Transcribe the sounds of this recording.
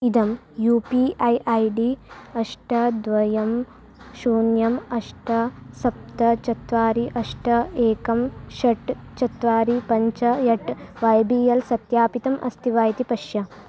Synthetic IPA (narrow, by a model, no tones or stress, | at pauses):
id̪ɐm | juːpiɐjʔɐjɖiɐʂʈɐd̪ʋɐjɐm | ʃuːnjɐmɐʂʈɐsɐp̚t̪ɐt͡ʃɐt̪ʋaːɾiʔɐʂʈɐeːkɐmʃɐʈt͡ʃɐt̪ʋaːɾipɐɲt͡ʃɐjɐʈʋɐjbiːjɐlsɐt̪jaːpit̪ɐmʔɐ̰st̪ʰiʋaːjt̪ipɐʂjɐ